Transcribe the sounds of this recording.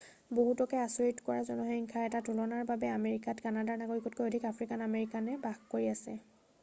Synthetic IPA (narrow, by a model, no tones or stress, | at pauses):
boɦutɔkɛasoɹitkɔɹazɔnɔɦɔŋkʰaɹɛtatulɔnaɹbabɛameɹikatkanadaɹnaɡoɹikɔtkojodʱikapʰɹikanameɹikanɛbaxkoɹiasɛ